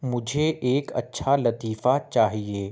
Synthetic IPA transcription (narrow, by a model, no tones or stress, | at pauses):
mʊd͡ʒʱeʔeːkɐ̰tːʃʰalɐt̪iːfat͡ʃaːɦieː